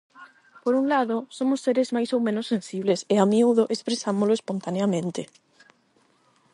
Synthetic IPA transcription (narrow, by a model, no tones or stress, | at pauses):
poɾunlaðʊsomʊsːeɾɪzmajsowmẽnʊsːẽnsiβlesɪamiuðoʔespɾesamolʊespont̪aneamẽnt̪ɪ